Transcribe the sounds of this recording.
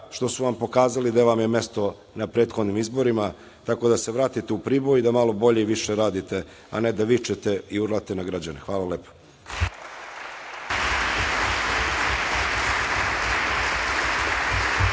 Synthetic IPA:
ʃt̪o̞suʋampo̞kaːzalid̪aʋamjeme̞st̪o̞ | napɾe̞ːt̪xod̪nimizbo̞ɾima | t̪ako̞d̪aseʋɾaːt̪it̪eupɾiːbo̞jid̪amalo̞bo̞ʎeiʋiʃe̞ɾaːd̪it̪e̞ | a̰ned̪aʋit͡ʃet̪e̞iuɾlˠat̪e̞naɡɾad͡ʑanexʋaːlˠaleːpo̥

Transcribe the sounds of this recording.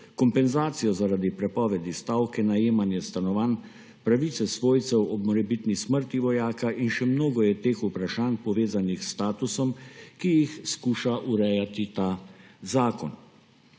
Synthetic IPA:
kɔmpɛnzaːt̪sijɔzaɾaːd̪ipɾɛpɔːʋɛd̪ist̪awkɛnajeːmanjɛst̪anɔʋaːn | pɾaʋit̪sɛsʋoːjt̪sɛwɔbmɔɾɛbit̪nisməɾt̪iʋɔjaːkaʔinʃɛmnoːɡɔjɛt̪eːxupɾaʃaːnpɔʋeːzanixst̪aːt̪usɔmkijixskuːʃaʔuɾɛjat̪it̪aːzaːkɔn

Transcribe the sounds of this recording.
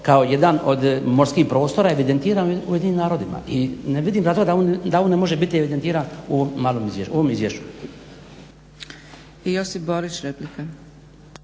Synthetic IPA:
kao̞je̞d̪ano̞d̪mo̞ɾskiːxpɾo̞ːst̪o̞ɾae̞ʋid̪ent̪iːɾanujed̪inimnaːɾo̞d̪ima̰ʔineʋid̪iːmzat̪oɡad̪aond̪aoːnemo̞ʒebit̪ieʋid̪ent̪iːɾanoomːaːlˠomizʋeoʋo̞mizʋjeʃt͡ɕu̥ | ijosiboɾit͡ʃɾeplike

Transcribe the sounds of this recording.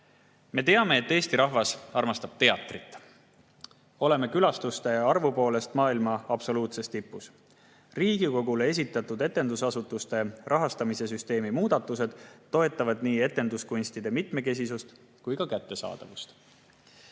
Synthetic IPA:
me̞t̪e̞ɑme̞ːt̪ːe̞ːst̪iɾɑɦvɑsɑrmɑst̪ɑb̥̚t̪e̞ɑt̪ˑrit̪ːˑ | o̞le̞me̞kylɑst̪ust̪e̞ɑrvupo̞ːle̞st̪mɑːilmɑɑb̥so̞luːt̪se̞st̪ipːus | riːɡiko̞ɡ̥ulee̞s̬ʲit̪ːˑɑt̪ːˑud̪e̞t̪ːˑe̞nd̪usɑsut̪ːˑust̪e̞rʔɑɦɑst̪ɑmise̞s̬yst̪e̞ːmimuːd̪̥ɑt̪ːˑuse̞d̪̥t̪ːo̞e̞t̪ːˑɑvɑd̪̥niːe̞t̪ːˑe̞nd̪uskunʲst̪id̪e̞mit̪me̞ke̞s̬isust̪ | kujkɑkæt̪ːe̞sɑ̰ːd̪̥ɑ̰vust̪

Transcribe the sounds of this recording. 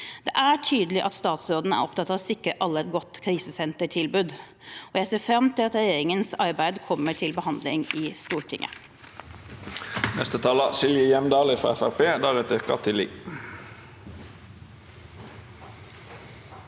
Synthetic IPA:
d̪̥ɛʔæʈʰyːd̪əlɪʔɑt̪st̪ɑːt̪sɾoːd̪n̩əæ̰ɾɔpt̪ɑt̪ːɑʋɔsɪkɾəʔɑlːəɛt̪̚ɡɔt̪ːkʰɾiːsəsɛnt̪əʈʰɪlbʉːd̪ | ɔjæɪseːɾfɾɑmt̪ʰɪlɑt̪ɾɛjeːɾɪŋənsɑɾbæɪd̪kʰɔmːəʈʰɪlbəhɑnd̪lɪ̰ŋɪst̪uːʈʰɪŋʔə̰ | nɛ̰st̪ət̪ʰɑːlɑsɪljəjɛmd̪ɑːlɪfɾɑ̰ːɛfæʁpeːd̪æːʁɛt̪ɛʁkɑt̪ʰɪlɪ̰ɡ

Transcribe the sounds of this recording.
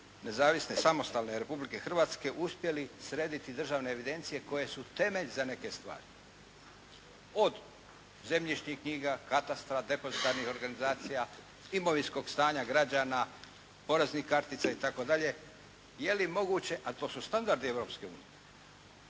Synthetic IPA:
ne̞zaːʋisne̞samo̞st̪alne̞ɾe̞publike̞xr̩ʋaːt̪ske̞ʔuspje̞lisɾeːd̪it̪id̪r̩ʒaːʋne̞ːʋid̪e̞nt̪sije̞ko̞je̞sut̪e̞meʎzane̞ke̞st̪ʋa̰ːɾi | o̞d̪ | ze̞mʎiʃɲihkɲiːɡakat̪ast̪ɾad̪e̞pozit̪aɾnixo̞ɾɡanizaːt̪sija | imo̞ʋinsko̞ɡst̪aːɲaɡɾad͡ʑaːna | po̞ɾe̞znixkaɾt̪it̪sait̪ako̞d̪aʎe̞ | je̞limo̞ɡut͡ɕe̞ʔat̪o̞ːsust̪and̪aɾd̪ie̞ʋɾo̞pske̞ṵːnije

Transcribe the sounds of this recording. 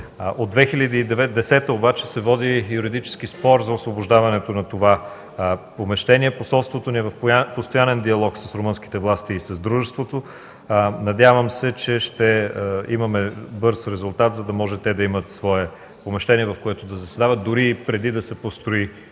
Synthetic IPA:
ʔod̪d̪vɛxilʲɐd̪iːd̪ɛvɛd̪ɛsɛt̪əobat͡ʃɛsɛvɔd̪ijuɾid̪it͡ʃɛ̥sk̟ispɔɾzɐosvoboʒd̪avɐnɛt̪onɐt̪ova | pomɛʃt̪ɛniɛposɔlˠst̪vot̪oniɛvɐfpost̪ojanɛnd̪iɐlˠɔksəsɾoʊmɤnsk̟i̥t̪ɛvlˠast̪iːsɐzd̪ɾuʒɛst̪vot̪o | nɐd̪ʲjavəmsɛt͡ʃɛʃt̪ɛimɐmɛbɤɾsɾɛzʊlˠt̪at̪zɐd̪ɐmɔʒɛt̪ɛd̪ɐimɐt̪svɔɛ | pomɛʃt̪ɛniɛvɐfkoɛt̪od̪ɐzɐsɛd̪avɐt̪̚d̪ʊɾipɾɛd̪id̪ɐsɛpost̪ɾoi

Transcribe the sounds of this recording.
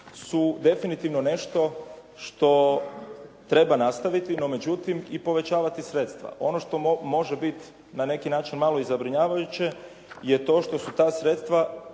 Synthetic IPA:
sud̪e̞finit̪iʋnone̞ʃt̪o̞ | ʃt̪o̞ | t̪ɾe̞banast̪aʋit̪ino̞me̞d͡ʑut̪imipo̞ʋe̞t͡ɕaːʋat̪isɾe̞ːt̪st̪ʋa̰ʔo̞no̞ʃt̪o̞mo̞ʒebit̪ | nane̞kinaːt͡ʃinmalo̞izabɾiɲaːʋajut͡ɕe̞ | je̞t̪o̞ːʃt̪o̞sut̪aːsɾe̞t̪st̪ʋa

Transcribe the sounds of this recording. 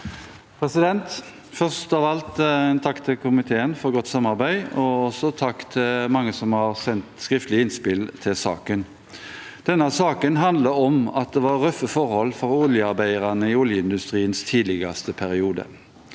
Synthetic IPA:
pʰɾɛsɪd̪ɛnt̪ | fœʁst̪ɑːʋɑlt̪ɛnt̪ʰɑkːt̪ʰɪlkʰʊmɪt̪ʰeːənfɔɾɡɔt̪ːsɑmːɑɾbæɪɔɔsɔt̪ʰɑkt̪ʰɪlmɑŋːəsɔmhɑɾsɛnt̪skʁɪft̪əlɪɪnspɪlt̪ʰɪlsɑ̰ːkən | d̪̥ɛnːəsɑːkənɦɑnd̪ləɔmɑt̪̚d̪ɛʋɑɾœfəfɔɾhɔlːfɔɾʊljəɑɾbæɪəɾɑnəɪʊljəɪnd̪ʉst̪ʁiːənst̪ʰiːd̪lɪɡɑst̪əpʰæɾɪuːd̪ə̰

